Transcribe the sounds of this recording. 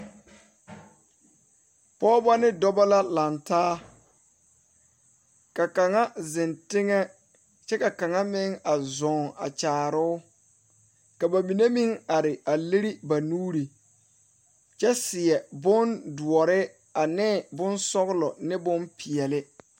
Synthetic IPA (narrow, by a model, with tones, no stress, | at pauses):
pɔː˦ba˦nɪ˦dɔ˦ba˦la˦la˨ntaː˦ | ka˨ka˨ŋa˦zɪ˨ntɪ˦ŋɛ˦ | t͡ʃɛ˦ka˨ka˨ŋa˦mɪ˦ŋa˨zɔ˨ŋa̰˨t͡ʃaː˨ɾʊ˦ | ka˨ba˨mi˨ne˦mi˦ŋa˨ɾɪ˨a˨li˦ɾi˦ba˨nuː˦ɾi˨ | t͡ʃɛ˦sɪ˨ɛ˨bʊ˦ndu˨ɔ˨ɾɪ˦ | a˨nɪ˦˨bʊ˦nsɔ˦ɣlɔ˨nɪ˦bʊ˦npʰi˨ɛ˨lɪ˦